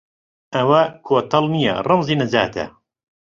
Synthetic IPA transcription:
ʔɐwɐkʰoːt̪ʰɐlˠnijɐ̰rɨmziːnɐza̰ːt̪ʰɐ̰

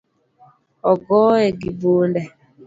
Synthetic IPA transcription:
ɔɡɔːɛɡibondɛ

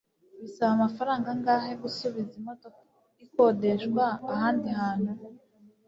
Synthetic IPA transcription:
βisaβamafaɾaːŋɡaŋɡaːɦe̞ɡusuβizimo̞toka | iko̞ːde̞ʃɡwaːhaːndihaːn̥hu

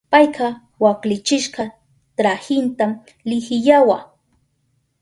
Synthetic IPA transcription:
pɑjqɑ | waklɪt͡ʃɪʃɢɑ | t̪ɾahɪnt̪am | lɪhɪʎawa

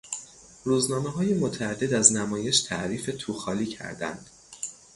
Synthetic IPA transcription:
ɾuːznɒːmeɦɒːjemo̞t̪ʰææd̪ːe̞d̪æznæmɒːje̞ʃt̪ʰæ̰ʔɾiːfe̞t̪ʰuːxɒːliːcʰæ̰ɾd̪æ̰nd̪̥

